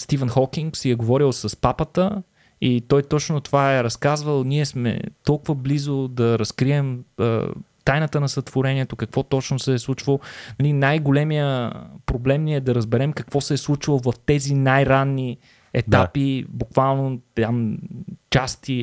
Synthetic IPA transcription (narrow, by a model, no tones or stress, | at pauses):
st̪ivənxɔkiŋksɛjɐɡovɔɾilˠsɐspapət̪ə | it̪ɔjt̪ɔt͡ʃnot̪ovaɛɾɐskazvəlˠniɛsmɛ̰t̪ɔlˠkʊvəblizod̪ɐɾɐskɾiɛmə̰t̪ajnət̪ənɐsɐt̪vʊɾɛniɛt̪okəkvɔt̪ɔt͡ʃnosɛːslˠut͡ʃvəlˠnɐlinajɡolɛmijəpɾoblɛmniɛd̪ɐɾəzbɛɾɛmkɐkvɔsɛːslˠut͡ʃvəlˠovɐft̪ɛzinajɾanːi | ɛt̪apibukvalˠnot̪amt͡ʃast̪i